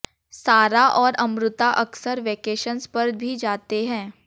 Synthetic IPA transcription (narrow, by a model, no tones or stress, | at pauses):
saːɾaʔɔːɾɐ̃mɾʊt̪aʔɐksəɾʋeːkeːʃənspɐɾbʱid͡ʒaːt̪eɦɛ̃ː